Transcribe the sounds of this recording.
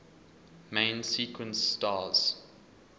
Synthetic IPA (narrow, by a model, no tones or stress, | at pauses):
mẽɪ̃nsiːkwə̃nsːtɑːz̥